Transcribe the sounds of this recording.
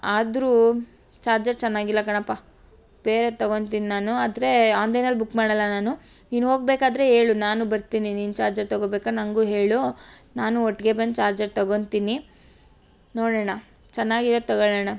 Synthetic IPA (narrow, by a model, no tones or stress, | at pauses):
aːd̪ɾuː | t͡ʃaːɾd͡ʒɐɾt͡ʃɛnːaːɡilːɐkɐɳɐpːa | b̥eːɾet̪ɐɡont̪iːninaːnuɐd̪ɾe̞aːnd̪enɐlbukːmaːɽɐlːɐnaːnuniːnuɦo̞ːɡ̚beːkaːd̪ɾe̞ɦeːɭunaːnubɐɾt̪iːniniːnt͡ʃaːɾd͡ʒɐɾt̪ɐɡoːbeːkanɐŋɡuːɦe̞ːɭunaːnuɔʈːɡe̞bɐnd̪̚t͡ʃaːɾd͡ʒɐɾt̪ɐɡo̞nt̪ini | noːɽɛɳɐ | t͡ʃɛnːaːɡiɾot̪ɐɡoɭɛːɳa